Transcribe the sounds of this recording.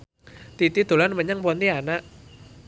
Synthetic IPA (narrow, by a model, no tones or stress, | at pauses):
t̪it̪id̪̥o̤lanməɲaŋpɔnt̪ianaʔ